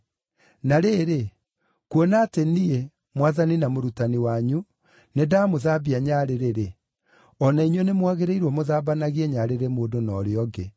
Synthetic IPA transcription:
naɾeːɾe | kwɔnaːtenie | mwaðaninamoɾutaniwaɲu | nedamoðabiaɲaɾeɾeɾe | ɔnaiɲwenemwaɣeɾeiɾwɔmoðaːbanaɣiɛɲaɾeɾemoːdonɔɾeɔɡe

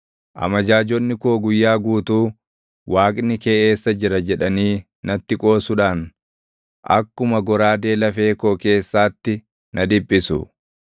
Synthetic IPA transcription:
ʔɐ̰mɐd͡ʒaːd͡ʒɔnːɪkoːɡʊjːaːɡuːt̪uː | waːkʼnɪke̞ːʔeːsːɐd͡ʒɪɾɐd͡ʒɛᶑɐniː | nɐt̪ːɪkʼo̞ːsʊᶑaːn | ʔɐ̰kːʊmɐɡɔɾaːd̪e̞ːlɐfe̞ːkoːke̞ːsːaːt̪ːɪ | nʔɐd̪ɪbʼːɪsʊ̰

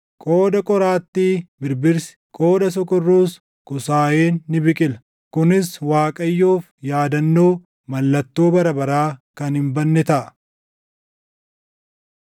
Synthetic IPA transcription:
kʼo̞ːd̪ɐkʼɔɾaːt̪ːiːbɪɾbɪɾsɪ̥kʼo̞ːd̪ɐs̬ɔkɔrːuːs | kʊsaːjeːnːɪbɪkʼɪlɐ̥ | kʊnɪswaːkʼɐjːoːfjaːd̪ɐnːo̞ː | mɐlːɐt̪ːoːbɐɾɐbɐɾaːkɐnhɪmbɐnːɛt̪ɐʔɐ

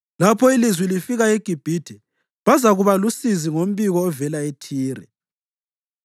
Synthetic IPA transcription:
lapʰɔilizwilifiɣaeɡ̥ʱib̥ʱidʰʱɛ | βazaɣuβalusiziŋom̩βiɣɔːvɛlaetʰiːrɛ̰

